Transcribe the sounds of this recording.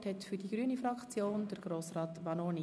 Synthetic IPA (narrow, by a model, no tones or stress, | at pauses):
thɛtfyɾd̥iɡɾyːənifɾɑkt͡sjoːndəɾɡɾoːsrɑːtbɑnoːni